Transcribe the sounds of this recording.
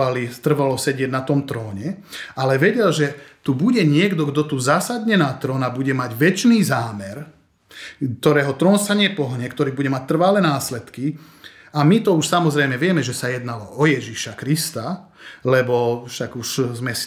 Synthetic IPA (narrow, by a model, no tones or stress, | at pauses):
alit̪r̩ʋalɔsɛɟɪɛɟnat̪ɔmt̪ɾɔːɲɛalɛʋɛɟɛlʒɛt̪ubuɟɛɲɪɛɡd̪ɔɡd̪ɔt̪uzasad̪ɲɛnaːt̪ɾɔːnabuɟɛmaɟʋɛt͡ʃniːzaːmɛɾ | k̚t̪ɔɾɛːɦɔt̪ɾɔːnsaɲɪɛpɔɦɲɛkt̪ɔɾiːbuɟɛmac̚t̪r̩ʋalɛnaːslɛt̪ki | amit̪ɔuʃsamɔzɾɛjmɛʋɪɛmɛʒɛsajɛd̪nalɔʔɔjɛʒiʃakɾist̪a | lɛbɔfʃaɡuʃzmɛs